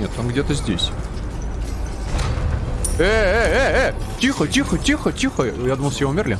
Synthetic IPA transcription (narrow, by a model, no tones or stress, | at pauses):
et̪onɡdʲet̪əzʲdʲesʲ | ɛɛɛɛtʲixətʲixətʲixətʲixəjad̪uməlˠsʲjeʊmʲɪrlʲɪ